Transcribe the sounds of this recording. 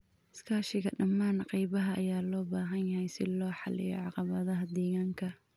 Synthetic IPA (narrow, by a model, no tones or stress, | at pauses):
ɪskʰaːʃɪɣɐɖɐmːaːnqɑjβɐɦɐʔɐ̰jaːlɔːbaːɦɐnjhɛjsɪlɔːħɑlɪ̰jɔ̰ʕɑqɑβɐðɐɦɐd̪ɛːɣaːŋkʰɐ